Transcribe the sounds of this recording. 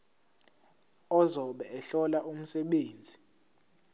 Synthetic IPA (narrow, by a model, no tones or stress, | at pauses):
ɔzɔɓɛɛɬɔlaʔum̩sɛɓeːnd͡zʱi